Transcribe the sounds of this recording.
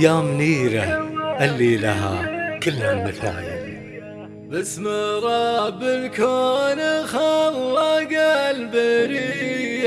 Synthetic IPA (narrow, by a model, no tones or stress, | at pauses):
aːmniːɾaʔalːiːlaɦa̰kɪlːamːɪθa̰ːjɪ̰ | basːməɾˤɑbɪlkonəxawːaɡalbɪɾi